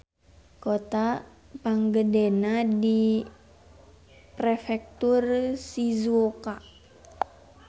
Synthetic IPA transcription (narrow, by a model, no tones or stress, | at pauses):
kot̪a | paŋɡədenadi | pɾefɛk̚t̪ursizuoka